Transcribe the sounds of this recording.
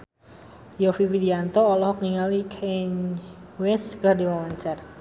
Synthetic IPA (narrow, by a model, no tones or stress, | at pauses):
jɔfiwidiant̪ɔːlɔɦɔk̚niŋalikʰɛɲwɛskərdiwawaɲt͡ʃar